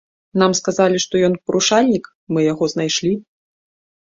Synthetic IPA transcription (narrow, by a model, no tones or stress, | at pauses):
namskazalʲiʂt̪ɔjɔnpɐɾuʂalʲnʲik | mɨjaɣɔznajʂlʲi